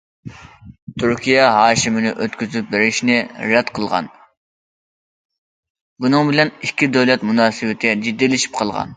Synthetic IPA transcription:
t̪ʰyɾkʲijɛɦɑːʃimɪnɪʔøt̪kʲyzyp̚bɪɾɪʃnɪɾɛd̪̥qʰəlˠʁɑ̰n | bunɨŋbɪlɛnikʲʰːid̪øwlɛt̪munɑːsɨwɪt̪ʰɪɛd͡ʒid̪ːijlɪʃi̥p̚qʰɑlˠʁɑ̰n

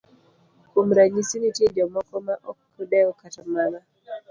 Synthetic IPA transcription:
kum̩ɾaɲisinitɛd͡ʒɔmɔkɔmaʔɔkkːudɛɔkatamaɾa

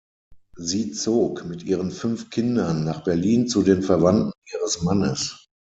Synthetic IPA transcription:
ziːt͡soːkmɪtʔiːʁənfʏnfkʰɪndɐnːaːχb̥ɛɐliːnt͡sudeːnfɛɐvantn̩ʔiːʁəsmanə̰s

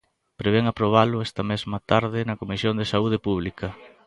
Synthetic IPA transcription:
pɾeβeŋapɾoβ̞alʊɛst̪ɐmɛzmɐt̪aɾðɪnɐkomisjond̪esauð̞epuβ̞likɐ

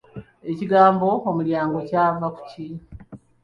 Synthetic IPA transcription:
e̞ciɡaːmbo̞omuljaːŋɡo̞caːvaku̥ci

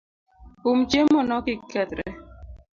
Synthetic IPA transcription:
um̩d͡ʒemɔnɔkikɛt̪ɾɛ̰

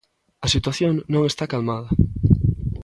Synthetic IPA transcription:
ɐsit̪waθjoŋnõŋest̪akalmað̞ɐ

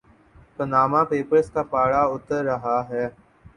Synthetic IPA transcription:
t̪ənaːmãːpeːpəɾskaːpaːɽaːʊt̪əɾːəɦaːɦɛː

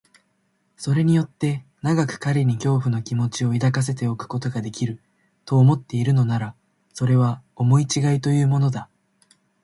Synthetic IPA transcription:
so̞ɾe̞ɲ̟ijo̞t̪ːe̞naɡakɯ̟̥kaɾʲiɲ̟ikʲo̞ːɸɯ̟no̞kʲimo̞t͡ɕio̞id̪akas̬e̞t̪e̞o̞kɯ̟̥ko̞t̪o̞ɡad̪e̞kʲiɾɯ̟ | t̪o̞ːmo̞t̪ːe̞iɾɯ̟no̞naɾa | so̞ɾe̞β̞ao̞mo̞it͡ɕiɡait̪o̞jɯ̟ːmo̞no̞d̪a

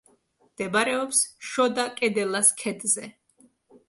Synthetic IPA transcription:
md̪̥ɛbaɾɛɔpsʃɔd̪akʼɛd̪ɛlaskʰɛd̪zɛ

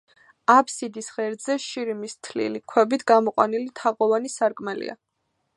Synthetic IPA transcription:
apʰsid̪isʁɛɾd̪zɛʃiɾimist̪ʰlḭlikʰwɛbit̪ʰɡamɔqʼwanilit̪ʰaʁʼɔvanisaɾkʼmɛlḭa

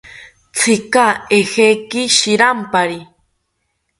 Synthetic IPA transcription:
t͡sʰikaehekiʃiɾampaɾi

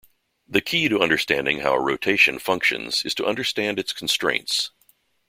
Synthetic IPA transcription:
ðɨkʰiɾɨʌ̃ndə˞stæ̰̃ndɪ̃ŋhaʊəɹoʊtʰeɪʃɨ̃nfʌ̃ŋkʃɨ̰̃nz̥ɨ̰z̥tʰəʔʌ̃ndə˞stæ̃ndɨtskʰn̩stɹ̥ḛ̃ɪ̃nts

